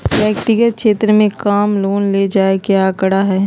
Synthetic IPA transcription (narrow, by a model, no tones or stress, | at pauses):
ʋjəkt̪ɪɡət̪̚ʃeːt̪ɾəmẽkaːmloːnled͡ʒaːekjakəɽaɦɛː